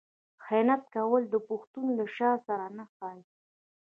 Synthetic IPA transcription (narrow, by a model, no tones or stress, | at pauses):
xenat̪̚kawəld̪əpʊxt̪unlaʃɑsaɾanaxɑj